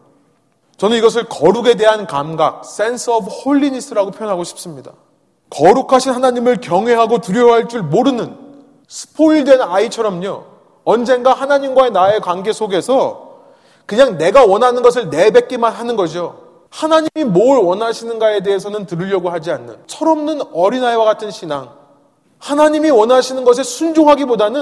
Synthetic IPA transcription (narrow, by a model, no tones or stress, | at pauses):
t͡ɕʌnɯniɡʌs̬ʰɯɭkʌɾuɡe̞de̞ɦankamɡak̚s͈e̞nsʰɯʌbhoʎːinis͈ʰɯɾaɡopʰjojʌnɦaɡoɕʰi̥p̚s͈ɯmɲida | kʌɾukʰaɕʰinɦanaɲimɯɭkjʌŋɦwe̞ɦaɡotuɾjoɦaɭt͡ɕ͈uɭmoɾɯnɯn | sʰɯ̥pʰoiɭdwe̞nait͡ɕʰʌɾʌmɲo | ʌnd͡ʑe̞nɡaɦanaɲimɡwae̞nae̞kwanɡe̞sʰoɡe̞sʰʌ | kɯɲaŋne̞ɡawʌnɦanɯnɡʌs̬ʰɯɭne̞be̞k͈̚emanɦanɯnɡʌd͡ʑio | hanaɲimimoɯɭwʌnɦaɕʰinɯnɡae̞de̞ɦesʰʌnɯntɯɾɯʎjʌɡohad͡ʑianːɯ̰nt͡ɕʰʌɾʌmnɯnʌɾinaewaɡatʰɯnɕʰinaŋ | hanaɲimiwʌnɦaɕʰinɯnɡʌs̬ʰesʰund͡ʑoŋɦaɡibodanɯ